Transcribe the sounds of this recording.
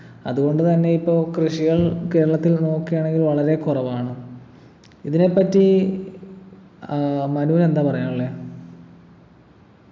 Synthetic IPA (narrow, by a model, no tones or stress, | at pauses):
ɐ̰ðuɣo̞ɳɖɨt̪ɐnːe̞ipːo̞ːkrɨʂiɣɐɭke̞ːɾɐɭɐt̪ːilno̞ːkːijaːɳe̞ŋɡilʋɐɭɐɾe̞kurɐʋaːɳɨ | iðine̞pːɐtːi | mɐnule̞nd̪aːpɐrɐjaːmɐɭːeː